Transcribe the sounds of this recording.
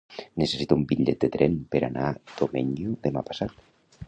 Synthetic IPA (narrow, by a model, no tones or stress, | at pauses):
nəsəsit̪uumbiʎɛt̪̚d̪ət̪ɾɛnpəɾanad̪̥omɛɲjuðəmapḁsat̪